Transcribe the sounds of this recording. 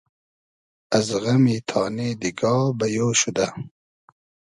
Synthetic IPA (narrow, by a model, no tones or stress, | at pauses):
azɣamit̪ʰɑːneːd̪iɡɑːbajoːʃʊd̪a